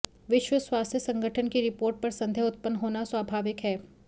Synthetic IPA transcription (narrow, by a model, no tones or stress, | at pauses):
ʋɪʃwəswaːst̪ʰjəsɐ̃ŋɡʱəʈʰənkiɾɪpoːɾʈ̚pɐɾsɐ̃nd̪ʱjeʊt̪̚pənːɦoːnaswaːbʱaːʋɪkɦɛː